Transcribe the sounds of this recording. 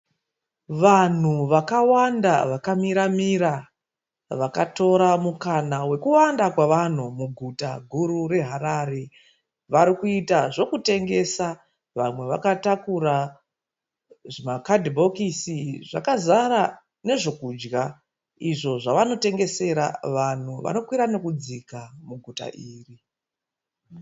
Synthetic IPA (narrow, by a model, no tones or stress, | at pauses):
ʋan̤uʋakawanda̰ʋakamiɾamiɾa | ʋakato̞ɾamukanawe̞kuwandakwaʋan̤umuɡʱuta̰ɡʱuɾure̞ɦaɾaːɾe̞ | ʋaɾikuitaʐo̞kute̞ŋɡe̞sa | ʋamwe̞ʋakatakuɾa | ʐimakadʱbʱo̞kisiʐakazaɾa | ne̞ʐo̞kud͡ʒɡa | iʐo̞ʐaʋano̞te̞ŋɡe̞se̞ɾa̰ʋan̤uʋa̰no̞kwiɾane̞kud͡zikamuɡʱuta̰ʔiːri